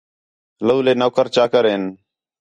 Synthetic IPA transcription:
ləuːleːnoːkəɾt͡ʃaːkəɾeːn

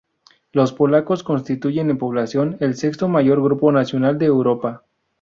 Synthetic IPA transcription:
lo̞spo̞lako̞sko̞nst̪it̪uʝe̞ne̞mpo̞β̞lasjo̞ne̞lse̞kst̪o̞maʝo̞ɾɣɾupo̞nasjo̞nald̪e̞ːwɾo̞pa

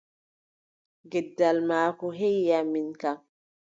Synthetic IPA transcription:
ɡɛdːalmaːkɔɦejjaminkaŋ

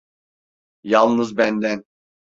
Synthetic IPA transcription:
jalˠnɯzbænd̪æn

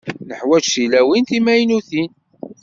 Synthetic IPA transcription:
nəħwæd͡ʒsilæwint̪imæjnuθin

